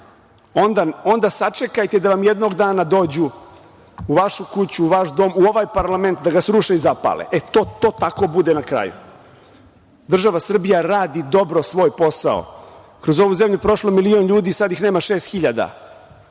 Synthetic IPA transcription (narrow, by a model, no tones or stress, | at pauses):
o̞nd̪ao̞nd̪asat͡ʂe̞kajt̪e̞d̪aʋamjed̪no̞ɡd̪aːnad̪o̞ːd͡ʑuː | ʋaʃukut͡ɕuːʋaʃd̪o̞ːmuo̞ʋajpaɾlˠame̞nt̪d̪aɡasɾuʃeizapa̰lḛʔet̪oːt̪o̞ːt̪ako̞bud̪enakɾa̰ːjṵ | d̪r̩ʒaʋasr̩bijaɾaːd̪id̪o̞bɾo̞sʋo̞ːjpo̞sa̰o̰ | kɾo̞zo̞ʋuze̞mʎupɾo̞ʃlomilio̞nʎuːd̪isad̪jixneːmaʃeːst̪xiʎad̪a̰